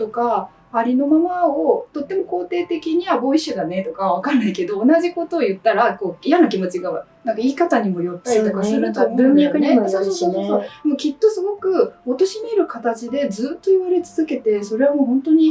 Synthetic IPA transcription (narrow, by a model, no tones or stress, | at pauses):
t̪o̞kaː | ɾʲino̞mamaot̪o̞t̪ːe̞mo̞ko̞ːt̪e̞ːt̪e̞kʲiɲ̟iβabo̞iɕɨd̪ane̞t̪o̞kaβ̞akaɾnaike̞d̪o̞ːnaʑiko̞t̪o̞ːjɯ̟t̪ːaɾako̞ːijanokʲimo̞t͡ɕiɡaβnãŋkaiːkat̪aɲ̟imo̞jot̪ːaɾʲit̪o̞kasɨɾɯt̪obɯ̃mʲakɯ̟ɲ̟iat̪ːesosoːsoːsosomokʲit̪ːo̞sɨɡo̞kɯ̟ot̪o̞ɕimiɾɯ̟kat̪at͡ɕid̪e̞d͡zɨːt̪ːo̞iβaɾe̞t͡sɨzɨke̞t̪e̞so̞ɾe̞amoɦõ̞nt̪o̞ɲ̟i